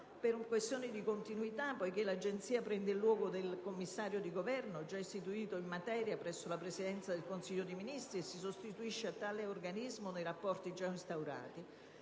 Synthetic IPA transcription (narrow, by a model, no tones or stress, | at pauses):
peɾukwest̪jɔːnɪd̪ikont̪inuit̪apːɔjk̟elad͡ʒent̪siːapɾɛnd̪eɪlːwɔːɡod̪elkomːisːaːɾjod̪iɡovɛrnod͡ʒaist̪it̪uiːt̪oimːat̪ɛːɾjapɾɛsːolapɾesid̪ɛnt̪sad̪elkonsiʎːod̪ejminist̪ɾiesːisost̪it̪uiʃːeat̪ːaːleorɡanizmonejɾapːɔrt̪id͡ʒainst̪awɾa̰ːt̪i